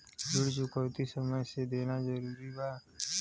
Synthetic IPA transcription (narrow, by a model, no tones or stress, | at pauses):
d͡ʒʊɽt͡ʃʊkəwt̪isəməjsed̪eːnazəɾuːɾibaː